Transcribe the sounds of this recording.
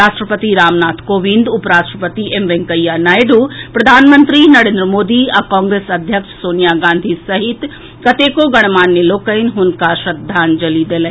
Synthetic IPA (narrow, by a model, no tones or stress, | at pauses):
aːʃʈɾəpət̪iɾaːmnaːt̪ʰkoːʋĩnd̪upɾaːʃʈɾəpət̪iemʋeŋkɐjaːnaːjɖuːpɾɐd̪ʱaːnmənt̪ɾinɐɾẽːnd̪ɾəmoːd̪iakãːŋɡɾeːsɐd̪ʱjəkʂsoːnijaɡãːnd̪ʱisɐɦit̪ | kɐt̪eːkoɡɐɽ̃maːnːjeloːkəjnɦʊnkaʃɾɐd̪ʱːaːnd͡ʒɐlid̪eːlɐ